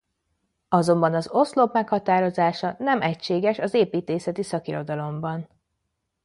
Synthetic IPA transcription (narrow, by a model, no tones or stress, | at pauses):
ɒzo̞mbɒnɒzo̞slopmɛkhɒt̪aːɾo̞zaːʃɒnɛmɛcʃeːɡɛʃɒzeːpiːt̪eːsɛt̪isɒkiɾo̞d̪ɒlo̞mbɒn